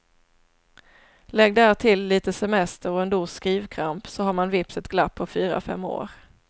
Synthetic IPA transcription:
lɛɡd̪ææːʈ̪ʰɪlːiːt̪əsɛmɛst̪əɾɔɛnd̪uːskɾiːvkʰɾampsɔɦaːɾmanvɪpsət̪ɡ̥lapʰːɔfyːɾa̰fɛ̰mːo̰ːɾ

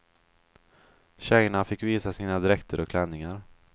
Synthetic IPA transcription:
ɕɛjəɳafɪkːviːsasiːnad̪ɪɾɛkt̪ʰəɾʔɔkʰlɛnːɪŋaɾ

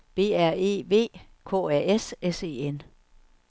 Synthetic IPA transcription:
b̥e̝̰ːæɐ̰e̝̰ːʋe̝̰ː | kʰɔ̝̰ːæɐ̰esese̝̰ːen

